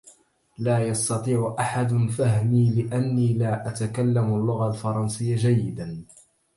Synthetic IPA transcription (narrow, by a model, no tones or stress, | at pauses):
laːjɑst̪ɑt̪ˤiːʕʊʔaħad̪ʊnfahmiːlɪʔanːiːlaːʔat̪akalːamalːʊɣalfɑɾˤɑnsɪjːad͡ʒajːɪd̪an